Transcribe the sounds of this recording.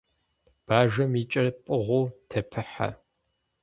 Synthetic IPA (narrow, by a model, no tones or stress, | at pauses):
b̥aːʒɐmit͡ʃʼɐrpʼɨʁʷʊːtʰɐpʰɨħa̰